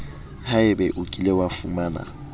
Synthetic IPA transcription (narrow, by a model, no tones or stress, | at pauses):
haɪbɛʔʊkʼilewafumaːna̰